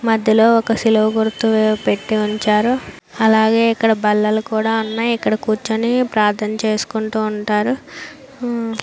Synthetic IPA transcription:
mɐd̪ʱjɐlo̞ːɔkɐsilɐʋɐɡuɾt̪uʋepe̞ʈːiuɲt͡ʃaːɾu | ɐlaːɡe̞ːikːɐɽɐbɐlːɐlukuːɽaːɐnːaːikːɐɽɐkuːɾt͡ʃɐnipɾaːɾt̪ʰɐnɐt͡ʃe̞ːsu̥kuɳʈuːɳʈaːɾu

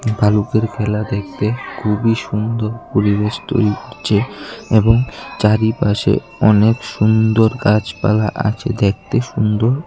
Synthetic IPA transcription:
bʱalukeɾkʰɛlad̪ek̚ʰt̪ekʰubiʃund̪oɾpoɾiβeʃt̪o̰jɾikoɾt͡ɕʰeeboŋt͡ɕaɾipaʃḛ | ɔnekʃund̪oɾkad͡ʑpa̰laʔa̰t͡ɕʰed̪ek̚t̪eʃund̪oɾ

